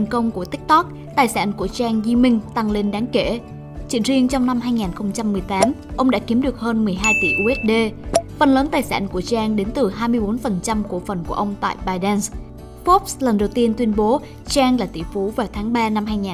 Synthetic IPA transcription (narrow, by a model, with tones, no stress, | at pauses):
ŋkə˧wŋ͡mku˧˩ət̪ï˦˥k̚t̪ɔ˦˥k̚ | t̪aː˨˩jsa̰ː˧˥nku˧˩ət͡ɕaː˧ŋzi˧mï˧ŋ̟t̪a˧ŋle˧nɗaː˨˦ŋke˧˩ | t͡ɕḭ˧˥ənzi˧əŋt͡ɕɔ˧wŋ͡mna˧mɦaː˧jŋaː˨˩nxə˧wŋ͡mt͡ɕa˧mːɨ˨˩əjt̪aː˨˦mʔə˧wŋ͡mɗa̰ː˧˥ki˨˦əmɗɨ˨˩ək̚həː˧nmɨ˨˩əjɦaː˧jt̪ḭ˧˩ʔu˧ʔɛ˦˥t̚ɗe˧fə˨˩nləː˨˦nt̪aː˨˩jsa̰ː˧˥nku˧˩ət͡ɕaː˧ŋɗe˨˦nt̪ɨ˨˩ɦaː˧jmɨ˧əjɓo˨˦nfə˨˩nt͡ɕa˧mku˧˩əfə˨˩nku˧˩əʔə˧wŋ͡mt̪a̰ː˧˨jɓaː˧jɗə˧ns | fɔ˦˥p̚slə˨˩nɗə˨˩wt̪i˧ənt̪wi˧ənɓo˨˦ | t͡ɕaː˧ŋlaː˨˩t̪ḭ˧˩fu˨˦vaː˨˩wt̪ʰaː˨˦ŋɓaː˧na˧mhɦaː˧jŋaː˨˩